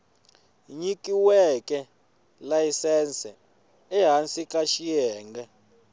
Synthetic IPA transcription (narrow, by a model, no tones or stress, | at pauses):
ɲikʼiwɛkʼɛ | laisɛnsɛ̰ | ɛɦansikʼaʃijɛːŋɡɛ